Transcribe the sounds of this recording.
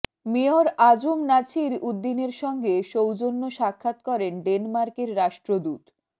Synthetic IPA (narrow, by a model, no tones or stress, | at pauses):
mioɾad͡ʑumnat͡ɕʰiɾud̪ːineɾʃɔŋɡeʃowd͡ʑonːoʃakʰːat̪kɔɾenɖenmaɾkeɾɾaʃʈɾod̪ut̪